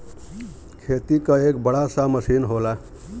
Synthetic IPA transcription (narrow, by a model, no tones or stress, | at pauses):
kʰet̪ikəekbəɽasaməsinɦola